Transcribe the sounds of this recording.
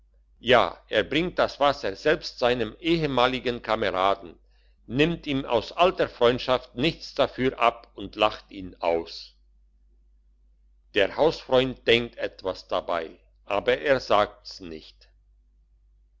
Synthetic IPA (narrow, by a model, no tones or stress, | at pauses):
ja̰ːʔeːɐbʁɪŋt̚d̥asv̥asɐzɛlpstz̥aɪnəmʔeːəmaːlɪɡənkʰaməʁaːdn̩ | nɪmtiːma̰ʊsʔaltəfʁ̥ɔʏntʃaftnɪçt͡sd̥afyːɐʔapʊntlaχtʔiːna̰ʊs | d̥eːɐhaʊsfʁ̥ɔʏntd̥ɛŋk̚tʔɛtv̥asd̥aba̰ɪ | ʔaːbɐʔeːɐzaːk̚tsnɪ̰çt